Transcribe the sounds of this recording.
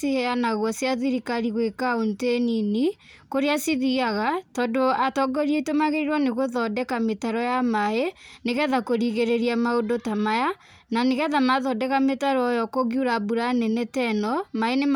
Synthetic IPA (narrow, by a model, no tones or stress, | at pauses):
iɛanaɣwɔsjaðiɾikaɾiɣwekaontenini | koɾeasiðiaɣatɔdoatɔɡɔɾietomaɣeɾiɾɔneɣoðɔdɛkametaɾɔjamaeneɣɛðakoɾiɣeɾeɾiamaodotamaja | naneɣɛðamaðɔdɛkametaɾɔɔjɔkoɣjuɾabuɾanɛnɛtɛnɔmaenem